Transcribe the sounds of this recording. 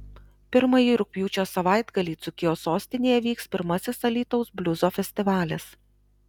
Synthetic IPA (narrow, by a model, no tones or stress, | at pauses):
pʲɪɾmɐjiːɾʊk̚ʲpʲjuːt͡ʃʲoːsɐʋɑˑɪd̪ɡɐlʲiːˑt̪sʊkʲɪjoːsoːsʲt̪ʲɪnʲeːjɛʋʲiːkspʲɪɾmɐsʲɪsɐlʲiːt̪ɔʊsbʲlʲʊzoːfʲɛsʲt̪ʲɪʋɑːlʲɪs